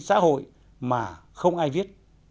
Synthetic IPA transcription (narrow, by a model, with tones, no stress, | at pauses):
sa̰ː˧˥ɦo̰˧˨j | maː˨˩ | xə˧wŋ͡mʔaː˧jvi˦˥ət̚